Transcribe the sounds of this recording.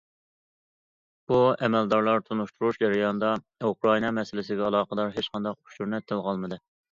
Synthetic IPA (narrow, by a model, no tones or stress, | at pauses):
b̥uɛmɛld̪ɑɾlˠɑɾt̪ʰunuʃt̪ʰuɾuʃd͡ʒɛɾɪjɑnɨd̪ɑ | ukɾɑinɑmɛsɪlɪsɪɡʲɛɑlˠɑːqəd̪ɑɾɦet͡ʃqɑnd̪ɑq̚u̥ʃuɾnɛt̪ʰːɪlˠʁɑlˠmɨd̪ɨ